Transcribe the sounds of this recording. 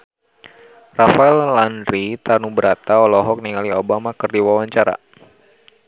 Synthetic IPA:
rafaɛlːanɾit̪anubəɾat̪aɔlɔɦɔk̚niŋaliobamakɨrdiwawaɲt͡ʃaɾa̰

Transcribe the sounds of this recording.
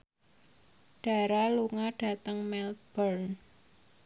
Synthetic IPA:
ɖ̥a̤ɾaluŋaɖ̥a̤t̪əŋmɛlt̪̚b̥ɔrn

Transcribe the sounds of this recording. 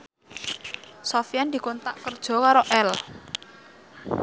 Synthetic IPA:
sofijand̪i̤kont̪aʔkərd̥ʒ̥ɔ̤kaɾoʔɛl

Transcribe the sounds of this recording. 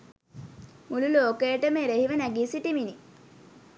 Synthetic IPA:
mululoːkejəʈəmeːɾehiʋənæɡiːsiʈimini

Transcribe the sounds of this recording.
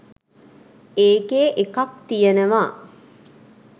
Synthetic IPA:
eːɡeːʔekɐk̚t̪ijənəʋaː

